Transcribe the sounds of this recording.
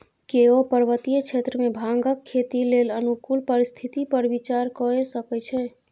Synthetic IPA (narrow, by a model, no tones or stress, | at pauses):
keopəɾʋət̪ijət͡ʃʰet̪ɾəmebʱaŋɡəkʰːet̪ilelənukulpəɾist̪ʰit̪ipəɾbit͡ʃaɾkɔesəkɛt͡ʃʰɛ